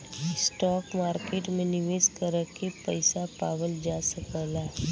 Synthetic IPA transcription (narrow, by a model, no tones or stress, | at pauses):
sʈɔːkmaːɾkeːʈmẽnɪʋeːskəɾəkepəɪsapaːʋəld͡ʒaːsəkəlaː